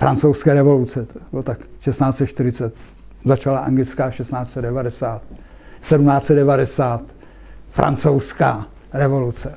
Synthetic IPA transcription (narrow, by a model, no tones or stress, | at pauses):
fɾa̰nt͡sowskɛːɾɛvo̞lut͡sɛt̪bɪlot̪akʃɛst̪naːtt͡sɛt̪ʃt̪ɪɾɪt͡sɛt̪ | zat͡ʃalaʔa̰ŋɡlɪt͡skaːʃɛst̪naːt͡sɛdɛvadɛsaːt̪̚ | sɛdumnaːtt͡sɛd̪̚dɛvadɛsaːt̪ | fɾa̰nt͡sowskaː | ɾɛvo̞lut͡sɛ